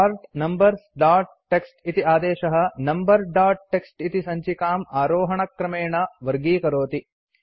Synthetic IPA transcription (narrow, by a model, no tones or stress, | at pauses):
aːɾʈnɐmbɐɾsɖaːɾʈ̚ʈːeksʈit̪iaːd̪eːʃɐɦɐ̆nɐmbɐɾɖaːɾʈ̚ʈːeksʈit̪isɐɲt͡ʃikaːmaːɾoːɦɐɳɐkɾɐmeːɳɐʋɐɾɡiːkɐɾoːt̪i